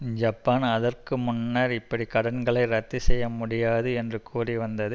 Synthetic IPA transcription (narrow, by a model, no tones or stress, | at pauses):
d͡ʒɐpːaːnɐðɐrkɯmʊnːɐɾɪpːɐɽikɐɽɐnɡɐɭɐɪɾɐt̪ːɯsɛjːɐmʊɽɪjaːðɯɛndrɯkʰuːriʋɐnd̪ɐðɯ